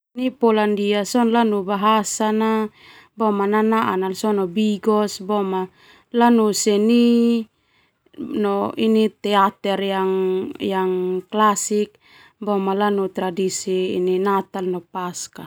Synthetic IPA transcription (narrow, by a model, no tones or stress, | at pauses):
nipɔlandiasɔnlanubaɦasana | bɔmananaʔa̰nalsɔnɔbiɡɔsbɔma | lanusɛni | nɔinit̪ɛat̪ɛrjaŋjaŋklasik̚ | bɔmalanut̪ɾadisḭːninat̪alnɔpaska